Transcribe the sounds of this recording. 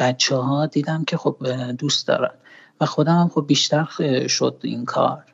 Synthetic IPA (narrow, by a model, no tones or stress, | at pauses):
b̥æt͡ʃʰːɛɦɒːd̪iːd̪æmcʲʰe̞xob̚d̪uːst̪d̪ɒ̰ːɾæ̰nvæxo̞d̪æmæmxobːiːʃt̪æɾʃo̞d̪ḭnkʰɒ̰ːɾ